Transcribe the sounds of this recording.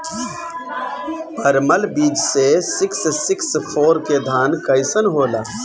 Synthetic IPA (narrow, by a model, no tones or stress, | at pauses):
pʰəɾməlbiːd͡ʒsesɪkssɪkspʰoːɾked̪ʱaːnkəɪsənɦoːlaː